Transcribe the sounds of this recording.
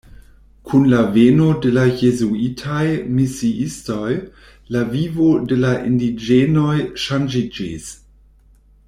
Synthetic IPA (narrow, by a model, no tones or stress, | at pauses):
kʰunlaveno̞de̞lajezuitʰajmisiisto̞j | lavivo̞de̞laʔindid͡ʒeno̞jʃand͡ʒid͡ʒḭs